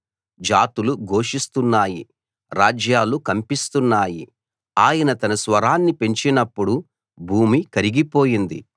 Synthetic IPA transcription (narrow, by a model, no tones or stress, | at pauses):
d͡ʒaːt̪uluɡo̞ːʂist̪unːaːjḭ | ɾaːd͡ʒjaːlukɐmpist̪unːaːjḭ | aːjɐnɐt̪ɐnɐsʋɐɾaːnːipe̞ɲt͡ʃinɐpːuɽu | bʱuːmikɐɾiɡipo̞ːjind̪ḭ